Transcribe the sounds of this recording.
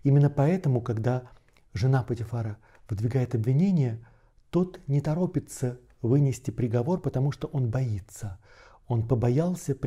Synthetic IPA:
imʲɪnːəpɐɛt̪əmʊkɐɡd̪a | ʐɨnapətʲɪfaɾə | vɨd̪vʲɪɡajɪt̪ɐbvʲɪnʲenʲɪjə | t̪ot̪nʲɪt̪ɐɾo̞pʲɪt̪sə | vɨnʲɪsʲtʲɪpɾʲɪɡɐvo̞rpət̪ɐmuʂt̪o̞ʔo̞nbɐit̪sə | o̞npəbɐjalˠsʲəp

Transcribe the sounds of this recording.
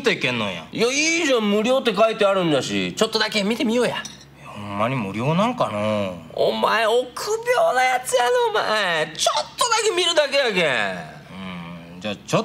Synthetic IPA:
t̪oikẽ̞nːo̰ja̰jaiːʑõmɯ̟ɾʲo̞ːt̪ːe̞kait̪e̞aɾɯ̟̃ɲd͡ʑaɕḭt͡ɕo̞t̪ːod̪akemʲit̪e̞mʲio̞ːja | ehhomːaɲ̟imɯ̰ɾʲjo̞ːnãŋkanoo̰maeokʰɯbʲjoːnajat͡sɨjanoma̰et͡ɕot̪ːo̞d̪ake̞mʲiɾɯ̟d̪ake̞jake | ɯ̰̃ | d͡ʑaːt͡ɕo

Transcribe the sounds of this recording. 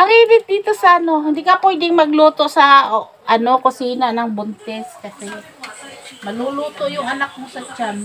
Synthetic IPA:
pɐɾibɪp̪̚d̪iːt̪osɐʔɐno̞hɪnd̪iːkɐpɔjd̪ɪŋmɐɡluːt̪oʔsɐ | ʔɐno̞kosiːnanɐŋbʊnt̪ɛskɐsɛ | mɐloluːt̪oʔjʊŋʔɐnak̚mosɐt͡ʃam

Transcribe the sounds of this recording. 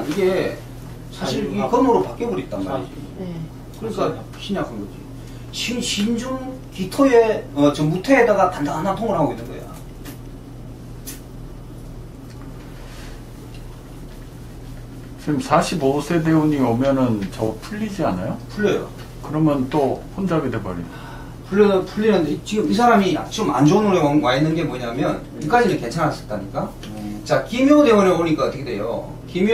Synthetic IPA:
iɡe̞ | sʰaɕʰiɾikʌmɯɾopak͈ebʌɾit̚t͈anɡaḭd͡ʑḭi | kɯik͈ʰa | ɕʰiɲakʰɯnɡʌd͡ʑḭ | ɕinɕind͡ʑuŋkitʰoje̞ʌt͡ɕomutʰeːdaɡapandaŋanantʰoŋɯɭɦaɡoinːɯnɡʌja̰ | t͡ɕʰiimsʰaɕʰibosʰe̞de̞uɲiomjʌnɯnt͡ɕʌpʰuʎːid͡ʑianajopʰuɭːʌjo̰ | kɯɾʌmjʌnt͈oɸond͡ʑaɡidebaɾḭn | pʰuɭːʌpʰuɭːinɯndet͡ɕiɡɯmisʰaɾamia̰t͡ɕiɯma̰nd͡ʑounoɾewowainːɯnɡe̞moɲamjʌn | ik͈ad͡ʑiɾeke̞nt͡ɕʰanɦas͈ɯɭt͈aɲik͈a | t͡ɕakimiodeoɾʌboɲik͈aʌtʰʌkʰede̞jo̰ | kim

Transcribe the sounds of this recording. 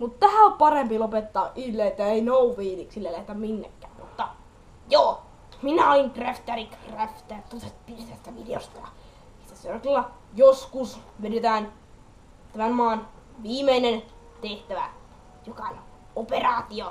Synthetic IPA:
mut̪t̪æhæoppɑrempilopet̪ːɑːʔilːeet̪ːæeinouʋʋiːliksilːælæhet̪æmminːḛkːæːmṵt̪ːɑ | joː | minæɑiŋkreft̪ærikreft̪æt̪ut̪et̪pirt̪æst̪æʋideo̰st̪ɑjɑ̰ | it̪ːæserɑt̪ilːɑ | joskusʋenet̪æːn | t̪æmæmmɑːn | ʋiːmeinen | t̪eht̪æʋæ̰ | jokɑonʲ | operɑːt̪io

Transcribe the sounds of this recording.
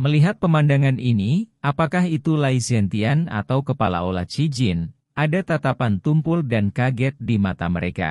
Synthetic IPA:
məliɦat̪̚pəmandaŋaniniʔapakaɦit̪ulaisɛnt̪iana̰t̪awkəpala̰ola̰tt͡ʃid͡ʒɪn | ʔadat̪at̪apant̪umpʊldankaɡɛt̪̚dimat̪a̰məɾeka̰

